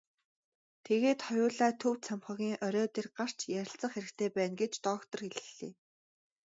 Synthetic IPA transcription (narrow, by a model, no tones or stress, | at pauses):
t̪ʰeɣeːt̪χɔjʊːɮaːt̪ʰɵw̪t͡sʰamχɞ̆ːɣʲiːŋʔœɾʲɔːt̪erɢar̥t͡ɕjæɾʲɪ̆ɬt͡sə̆ɴχxeɾɘ̆kt̪ʰeːpæːnɡet͡ɕt̪ɔːkt̪ɞ̆rxeɮɘ̥̆ɮḛː